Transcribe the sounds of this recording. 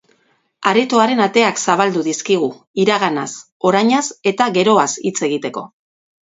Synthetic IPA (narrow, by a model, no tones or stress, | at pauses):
aɾet̪oaɾe̞nat̪e̞aksaβ̞ald̪uðiskiɣ̞u | iɾaɣ̞anas | o̞ɾajɲase̞t̪aɣe̞ɾo̞asit͡se̞ɣ̞it̪e̞ko̞̰